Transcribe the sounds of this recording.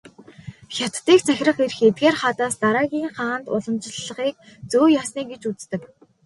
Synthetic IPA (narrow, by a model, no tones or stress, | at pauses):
xʲat̪ːiːk̚t͡sʰæx̆ʲrə̆χer̆xet̪̚ɡeːrχaːt̪aːst̪aɾaːɣʲiːŋχaːnt̪ʊ̰ɮə̆mt͡ɕɪ̆ɮːə̆χiːk̚ | t͡soːjaːsniːkɡet͡ɕut͡st̪ɘ̆k